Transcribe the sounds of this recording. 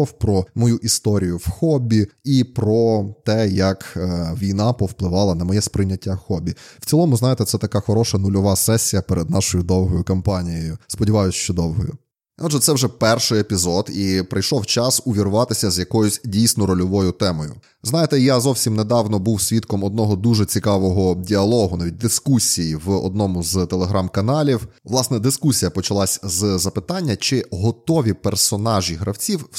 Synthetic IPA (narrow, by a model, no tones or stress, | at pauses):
ɔwpɾɔmɔjuʔist̪ɔɾʲijʊwxɔbʲiipɾɔt̪ɛjɐkːʋʲijnɑpɔwplˠɪʋɑlˠɐnɐmɔjɛspɾɪnʲːɐtʲːaxɔbʲiw̥t͡sʲilˠɔmʊznɑjet̪ɛt̪sɛt̪ɐkaxɔɾɔʃɐnʊlʲɔʋɑsɛsʲːijɐpɛɾed̪̚nɑʃɔjʊd̪ɔwɦɔjʊkɐmpɑnʲijɔjʊspɔdʲɪʋɑjʊsʲʃt͡ʃɔd̪ɔwɦɔjʊ̰ | ɔdʒɛt̪sɛwʒɛpɛrʃɪjepʲizɔd̪ipɾɐjʃɔwt͡ʃɑsʊʋʲiɾʊʋɑt̪ɪsʲɐzʲjɐkɔjʊsʲdʲijsʲnɔɾɔlʲɔʋɔjʊt̪ɛmɔjʊ̰ | znɑjet̪ɛjazɔwsʲimned̪ɑwnɔbuwsʲʋʲit̪kɔmɔd̪nɔɦɔd̪uʒɛt͡sʲikɑʋɔɦɔdʲiɐlˠɔɦʊnaʋʲit̚ʲd̪ɪskusʲijiʋɔ̰d̪̚nɔmʊzt̪elˠeɦɾɑmkɐnɑlʲiwʋlˠɑsnɛd̪ɪskusʲijɐpɔt͡ʃɐlˠɑsʲzzɐpɪt̪ɑnʲːɐt͡ʃɪɦɔt̪ɔʋʲipersɔnɑʒʲiɦɾʔɐwt͡sʲiw